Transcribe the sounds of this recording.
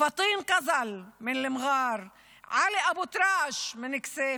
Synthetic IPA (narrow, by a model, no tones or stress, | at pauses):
fɑt̪ˤiːnqazalmɪnlɪmɣɑːɾˤ | ʕaliʔabut̪ɾɑːʃmɪnɪkseː